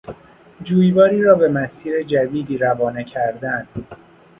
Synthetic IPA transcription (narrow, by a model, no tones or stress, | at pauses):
d͡ʒuːjvɒːɾiːɾɒːbe̞mæsiːɾe̞d͡ʒæd̪iːd̪iːɾævɒːnecʰæɾd̪ænd̪̥